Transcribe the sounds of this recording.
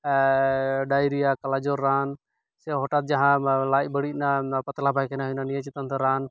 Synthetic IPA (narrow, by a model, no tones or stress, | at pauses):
ɖaːjɾijakɐlad͡ʒɔɾːaːn | sɛɦɔʈat̪̚d͡ʒaɦãlaːj̚bəɽit̪̚napɐt̪labʱajkʰɛnaɦʊnanijãt͡ʃɪt̪ənt̪ɛɾaːn